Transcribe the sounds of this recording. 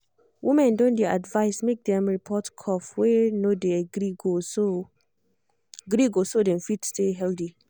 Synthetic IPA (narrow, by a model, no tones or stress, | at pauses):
wʔimɛ̃ndõndɛa̰dvaɪsmek̚dɛ̃mɹipʰɔtkʰɔfwɛnodeaɡɾiɡoso | ɡɾiɡosodɛ̃nfitsteɦɛldi